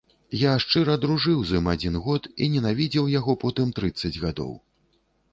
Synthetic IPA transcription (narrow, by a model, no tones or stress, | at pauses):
jaʂt͡ʂɨɾɐd̪ɾuʐɨwzɨmad͡zʲinɣɔt̪ḭnʲɛnavʲid͡zʲiwjaɣɔpɔt̪ɨmt̪ɾɨt̪sːɐd͡zʲɣad̪ɔ̰w